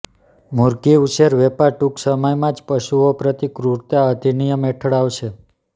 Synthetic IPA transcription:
muɾɡiuʃeɾʋepaɾʈuksəməjmãd͡ʒpəʃuopɾət̪ikɾuɾt̪aəd̪ʱinijəmeʈʰəɽaʋʃe

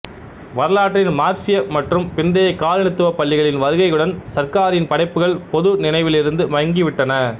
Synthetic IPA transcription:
ʋɐɾɯlaːʈrɪnmaːɾt͡ʃɪjɐmɐʈrɯmpɪnd̪ɐjɐɪkːaːlɛɳɪt̪ːɯʋɐpɐɭːɪɣɐɭɪnʋɐɾɯɣɐɪɯɽɐnsɐɾkaːɾɪnpɐɽɐɪpːɯɣɐɭpɔðɯnɪnɐɪʋɪlɪɾɯnd̪ɯmɐjɐŋɡɪʋɪʈːɐnɐ

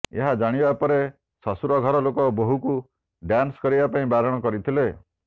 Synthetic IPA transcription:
eɦad͡ʒaɽ̃ibapɔɾe | sɔsuɾɔɡʱɔɾɔlokɔboɦuku | ɖjanskɔɾibapaĩbaɾɔɽ̃ɔkɔɾit̪ʰile

